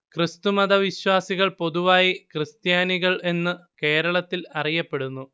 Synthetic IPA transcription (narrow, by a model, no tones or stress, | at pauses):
krɨst̪umɐðɐʋiɕwaːsiɣɐɭpo̞ðuʋaːjikrɨst̪jaːniɣɐɭe̞nːɨke̞ːɾɐɭɐt̪ːilɐrijɐpːe̞ɽunːu